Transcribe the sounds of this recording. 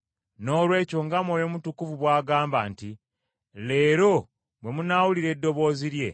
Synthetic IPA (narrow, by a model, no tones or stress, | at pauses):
no̞ːlwe̞ːco̞ŋɡamwo̞ːjo̞mutukuvuβwaːɡaːmbaːnti | le̞ːɾo̞ | βwe̞munawuliɾe̞dːo̞βo̞ːziɾje̞